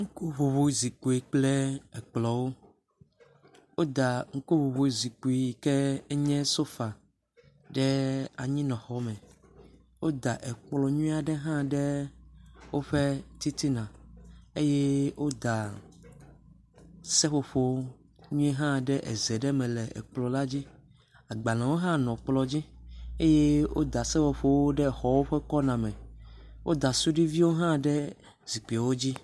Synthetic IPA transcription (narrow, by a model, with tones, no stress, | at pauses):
ŋ̩˦ku˦βo˨βo˨zi˨ku˨i˨k͡plɛ˦ɛ˨k͡plɔ˨wo˦ | wo˦d̪a˨ŋ̩˦ku˦βo˨βo˨zi˨ku˨i˨˦˨kɛ˦ɛ˦ɲɛ̃˦so˦fa˨ | ɖɛ˦a˨ɲĩ˦nɔ̃˨xɔ˦mɛ̃˨ | wo˦d̪a˨ʔɛ˨k͡plɔ˨ɲũ˦i˦a˨ɖɛ˦ɦã˦ɖɛ˦ | wo˦ɸɛ˦t̪i˦t̪i˦nã˨e˦je˦wo˦d̪a˨ | sɛ˦ɸo˦ɸo˦ | ɲũ˦ɛ˦ɦã˦ɖɛ˦ʔɛ˨zɛ˨ɖɛ˦mɛ̃˨lɛ˨ɛ̰˨k͡plɔ˨la˦d͡ʑi˦ | a˨ɡ͡ba˨nã˨wo˦ɦã˦nɔ̃˨k͡plɔ˨d͡ʑi˦e˦je˦wo̰˦d̪a˨sɛ˦ɸo˨ɸo˦wo˦ɖɛ˦˨xɔ˨wo˦ɸɛ˦kɔ˦nã˨mɛ̃˨wʔo˦d̪a˨su˦ɖi˦vi˦wo˦ɦã˦ɖɛ˦ | z̥i˨k͡pi˨wo˦d͡ʑi˦